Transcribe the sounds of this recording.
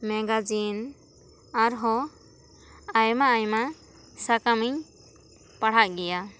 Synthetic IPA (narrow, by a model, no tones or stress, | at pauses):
mɛɡad͡ʒin | aɾɦɔ | ajmaːjma | sakamiɲ | paɽ̤aʔ̚ɡɛja